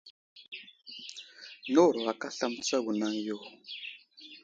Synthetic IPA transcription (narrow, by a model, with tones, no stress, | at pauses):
nɔ˦˨ɾɔ˨a˨ka˦ɬa˦m̩˦t͡sa˦ɣu˨na˦ŋ˦jɔ˦˨